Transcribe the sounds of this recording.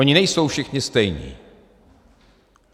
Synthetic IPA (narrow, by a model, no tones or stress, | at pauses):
ɔɲinɛjsɔwfʃixɲɛst̪ɛjɲḭ